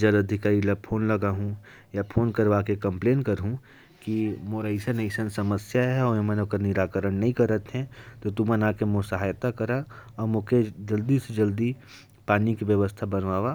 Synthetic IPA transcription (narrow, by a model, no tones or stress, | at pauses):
d͡ʒɐɾɐd̪ʱɪkaːɾilɐpʰoːnlɐɡaɦũ | japʰoːnkəɾʋakekɐ̃mpleːnkɐɾɦũ | kimoːɾəɪsəneɪsənsɐməsjaɦɛɔːemɛ̃nokəɾnɪɾaːkəɾəɽnɐɦĩkɐɾət̪ɦɛ̃t̪ot̪umənaːkemʊsəɦaːjt̪akɐɾaɔːɾmoked͡ʒɐld̪ised͡ʒɐld̪i | paːnikiʋjəʋəst̪ʰabɐnʋaːʋa